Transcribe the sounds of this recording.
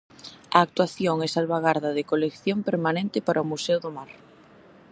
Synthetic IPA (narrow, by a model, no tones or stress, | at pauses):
ɐːk̚t̪waθjoŋɛsalβaɣaɾðɐðɪkolekθjompeɾmanẽnt̪ɪpaɾɐʊmusɛʊðʊmaɾ